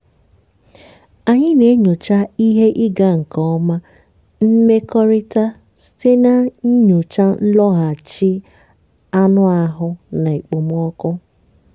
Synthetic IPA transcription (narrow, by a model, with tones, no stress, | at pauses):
a˨ɲɪ˦ne˨˦ɲo˨t͡ʃa˦i˦ɦe˦ʔɪ˦ɡa˦ŋ̩˨kɔ˨˦ma˦ | m̩˦me˦kɔ˦ɾɪ˦ta˦ | ste˦na˦ɲ̩˦ɲo˨t͡ʃa˦n̩˦lɔ˦ɣa˨t͡ʃɪ˦ | a˦nʊ˦a˨ɦʊ˦na˨i˨k͡po˨m˦ɔ˦kʊ˦